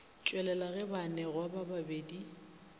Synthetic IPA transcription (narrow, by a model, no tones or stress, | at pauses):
t͡ʃʼwɛlɛlaɣɛbanɛɣwabababeːdi